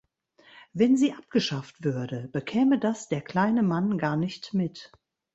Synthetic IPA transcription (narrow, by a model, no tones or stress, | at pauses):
vɛnziːʔap̚ɡ̥əʃaftv̥ʏɐdəbəkʰɛːmədasd̥eːɐkl̥aɪnəmanɡaːɐnɪçtmɪt